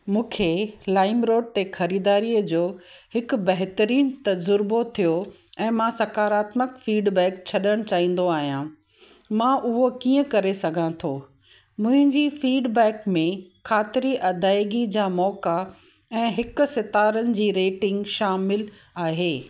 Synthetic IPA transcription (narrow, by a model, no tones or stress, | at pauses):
mũːkʰelaːɪmɾoːɖ̚t̪exɐɾiːd̪aːɾiːəd͡ʑoː | hɪk̆bɐɦt̪əɾiːnt̪ɐzʊɾbot̪ʰijo | ɛ̃ːmãsɐkaːɾaːt̪məkfiːɖbɛːk̚t͡ɕʰɐɗəɽ̃t͡ɕaːɦĩːn̆d̪oaːɦijãː | mãːʔʊɦokĩːə̃kɐɾesɐɡʱãt̪ʰoː | mʊ̃ɦɪ̃ɲd͡ʑiːfiːɖbɛːkmẽkʰaːt̪ɪɾiʔɐd̪ʱaːɪɡid͡ʑaːmɔːka | ɛ̃ːɦɪkʊ̆sɪt̪aːɾənɪ̆d͡ʑiːɾeːʈɪ̃ŋɡʃaːmɪl | aːɦeː